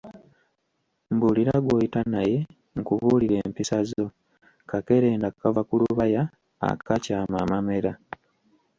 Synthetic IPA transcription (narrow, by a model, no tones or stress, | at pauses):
mbuliɾaɡwojitanaje̞ | ŋkuβuːliɾe̞ːmpisazo̞ | kake̞ɾe̞ːndakːavakuluβaja | a̰kacaːmamame̞ɾa